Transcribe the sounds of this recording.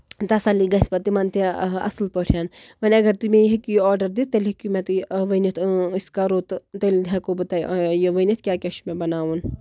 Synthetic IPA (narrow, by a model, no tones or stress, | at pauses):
t̪ɐsaliɡɐsʲpɐt̪imant̪iɐ̰slpəʈʰjaːnmɐnʲɐɡɐɾt̪umẽjɦikijɔːɾɖɐɾd̪it̪elɦikumẽt̪ʋənit̪ʰskaɾoːt̪t̪elʲd̪ɦakobɐt̪aːjjeʋɐnʲit̪̚ʰkʲaːkʲeʃmẽbɐnaːun